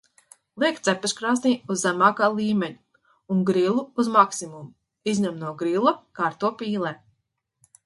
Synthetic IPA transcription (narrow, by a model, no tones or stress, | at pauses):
lˠiɛk̚t̪sɛpɛskɾaːsniːuzːæmaːkaːlˠiːmeɲu | uŋɡɾilˠuːzmaksimumu | izʲɲamnuɔɡɾilˠakaːɾt̪uɔpiːlˠɛː